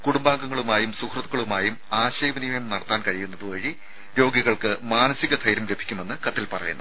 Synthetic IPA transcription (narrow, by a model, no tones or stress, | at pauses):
kuɽumbaːŋɡɐŋːɐɭumaːjumsukʰrɐt̪ːuɣɐɭumaːjumaːɕɐjbɐnimɐjmnɐɽɐt̪ːaːnkɐɻijunːɐðɨʋɐɻi | ɾo̞ːɡjɐɣɐɭkɨmaːnɐsiɣɐt̪ʰɐjɾɐmle̞bʱi̥kʲːume̞nːɨkɐt̪ːilpɐrɐ̰junːɨ